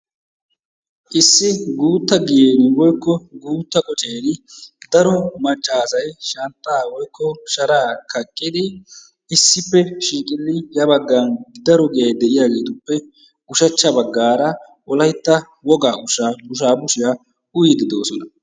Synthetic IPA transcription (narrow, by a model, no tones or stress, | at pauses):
ʔɪsːɪɡuːt̪ːɐɡɪjeːnɪwɔjkːɔɡuːt̪ːɐkʼɔt͡ʃʼeːnɪd̪ɐɾɔmɐt͡ʃʼːaːsɐjʃɐnt̪ʼːaːwɔjkːɔʃɐɾaːkʰɐkʼːɪd̪ɪ | ɪsːɪpːɛʃiːkʼɪlːɪjɐbɐɡːand̪ɐɾɔɡɪjɐjd̪ɛʔɪjaːɡe̞ːt̪ʊpːɛ | ɡ̥ʊʃɐt͡ʃːɐbɐɡːaːɾɐ | ʔɔlɐjt̪ːɐ | wɔɡaːɡʊʃaːbʊʃ̬aːbʊʃɪja | ʔʊjɪd̪ɪd̪o̞ːsɔnɐ